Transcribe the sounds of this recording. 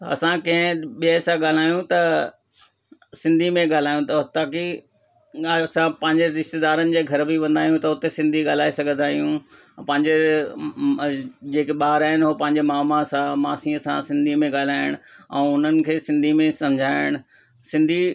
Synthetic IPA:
ɐ̰sãkɐ̃ɦɪ̃ɓijəsãɠaːl̤aːjũt̪ɐ | sɪ̃nd̪ʱimẽɠaːl̤aːjũt̪ɐɦʊt̪aːki | sãpɐ̃ɦɪ̃ɲd͡ʑeɾɪʃt̪ed̪aːɾənɪ̆d͡ʑeːɡʱɐɾbʱiʋɐ̃nd̪aːjũt̪ɐʊt̪esɪ̃nd̪ʱiɠaːl̤aːisɐɡʱə̃nd̪aːijũ | pɐ̃ɦɪ̃ɲd͡ʑe | d͡ʑeːkeɓaːɾaːɪnɦopɐ̃ɦɪ̃ɲd͡ʑemaːmãsãmaːsĩːəsã̰sɪ̃nd̪ʱimẽɠaːl̤aːɪɽ̃ʊɛ̰̃ːʊn̤ənɪ̆kʰeːsɪ̃nd̪ʱimẽsɐmd͡ʑʱaːɪɽ̃ʊ | sɪ̃nd̪ʱi

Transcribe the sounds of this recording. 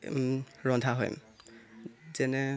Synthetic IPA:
ɹɔndʱaɦɔ̰jm | zɛnɛ

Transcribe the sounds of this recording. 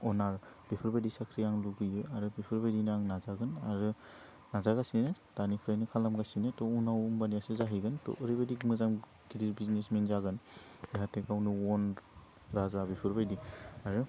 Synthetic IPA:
ɔnaɾb̥ipʰɯɾbajdisakʰɾijaŋluɡɯjɯaɾɯbipʰɯɾbajdinaŋnazaɡɯnaɾɯ | nazaɡasinɯd̥anipʰɾajnɯkʰalamɡasinɯtɔunawmbanijasɯzaɦiɡɯntɔ̰ʔːɾijbadikmɯzam | ɡidiɾbiznesmenzaɡɯnbiɦatʰekawnɯwɔn | ɾazabipʰɯɾbajdiaɾɯ

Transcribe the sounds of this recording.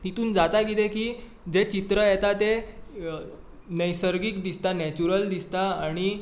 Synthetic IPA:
t̪it̪uːnd͡zat̪aɡit̪ekiː | d͡zet͡ɕit̪ɾəjɛt̪at̪e | nəjsəɾɡiːkd̪ist̪anɛt͡ɕuɾəld̪ist̪aaɽ̃i

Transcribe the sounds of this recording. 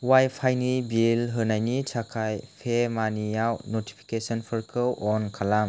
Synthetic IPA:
wajpʰajnibilɦɯnajnit͡ʃʰakʰajpʰemanijawnoti̥pʰi̥kesɔnpʰɯɾkʰɯwʔɔnkʰalam

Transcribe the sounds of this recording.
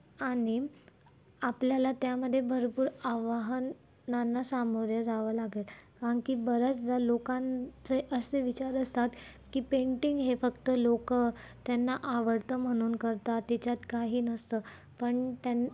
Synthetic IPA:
ani | apljalat̪jaməd̪ʱːjebʱəɾpuːɾaʋaɦənː | anːasamoɾjəɾaʋəːlaɡelkaəŋkiːbəɾət͡sd͡z̪alokãnt͡seʔəseʋit͡ɕaɾəst̪at̪ | kiːpeɳʈiŋɡɦefəkt̪əlokət̪janːaʔaʋəɽt̪əm̤əɽ̃uːnkəɾt̪at̪et͡ɕat̪kaɦiːnəst̪əː | pəɳt̪an

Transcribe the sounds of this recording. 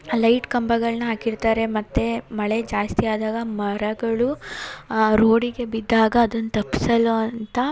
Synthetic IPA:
lɐjʈkɐmbɐɡɐɭnɐɦaːkiɾt̪aːɾe̞mɐt̪ːe̞mɐɭed͡ʒaːst̪ijaːd̪aːɡɐmɐɾɐɡɐɭu | ɾoːɽiɡe̞bid̪ːaːɡɐːd̪ɐnːut̪ɐpːi̥sɐloɐnt̪ɐ

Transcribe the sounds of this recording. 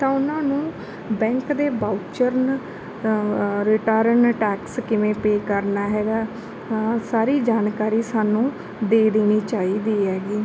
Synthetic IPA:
t̪ãːʊnãːnũː | bɛ̃ːŋkd̪eːbaːut͡ʃəɾn | ɾɪʈaːɾənʈɛːkskɪʋẽːpeːkəɾnaːɦɛːɡaː | saːɾiːd͡ʒaːnkaːɾiːsaːnũː | d̪eːd̪eːñiːt͡ʃaːiːd̪iːɦɛːɡiː

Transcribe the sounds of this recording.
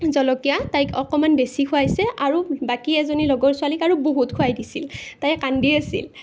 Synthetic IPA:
zɔlɔkijatajkɔkɔmanbesikʰʊajsɛaɹubakiɛzonilɔɡɔɹsʊalikaɹuboɦutkʰʊajdisiltajkandiasḭl

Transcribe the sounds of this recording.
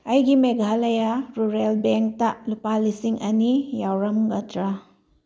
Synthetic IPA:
ɐjɡimeɡʱalɐjaɾuɾelbeŋk̚talupalisiŋʔɐnijawɾɐmɡɐdɾa

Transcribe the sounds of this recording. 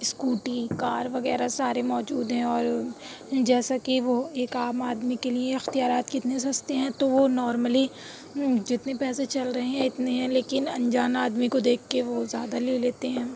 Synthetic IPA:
skuːʈikaːɾʋɐɣɛːɾasaːɾemɔːd͡ʒuːd̪ɦɛ̃ɔːɾ | d͡ʒɛːsakiʋoeːkaːmaːd̪mikelieɪxt̪ijaːɾaːt̪kɪt̪nes̬ɐst̪eɦɛ̃t̪oʋonɔːɾməli | d͡ʒɪt̪nepɛːset͡ʃɐlɾɐɦẽɦɛ̃ɪt̪neɦɛ̃leːkɪnɐ̃ɲd͡ʒaːnaːd̪mikod̪eːkʰːeʋozjaːd̪aleːleːt̪eɦɛ̃ː

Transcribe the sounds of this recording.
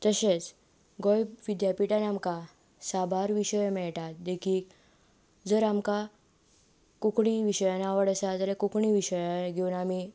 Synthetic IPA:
t̪əɕet͡s | ɡojʋid̪japiʈanamka | sabʱaɾʋiɕəjmɛɭʈat̪̚d̪ekʰiːk | d͡zəɾamka | kukɳiʋiɕəjanaʋəɽəsad͡zəɾekukɳiʋiɕəjaɡʱeunami

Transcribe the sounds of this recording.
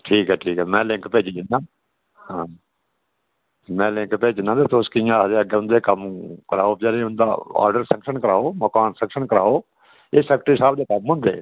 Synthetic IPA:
ʈʰiːkɦɛːʈʰiːkɦɛːmɛ̃ːlɪ̃ŋkpeːd͡ʒd͡ʒ̪ɪnːãː | hãː | mɛ̃ːlɪ̃ŋkpeːd͡ʒɪnãːd̪eːt̪oskɪjãːɾeːəɡeːʊ̃nd̪eːkəmkəɾaːoːpd͡ʒaːɾeːʊnd̪a̰ːa̰ːɾɖəɾsə̃ŋkʃənkəɾaːoːməkaːnsə̃ŋkʃəɳkəɾaːoː | eːsɛːk̚ʈəɾɪsaːbd̪eːtəmɦʊ̃nd̪ḛː

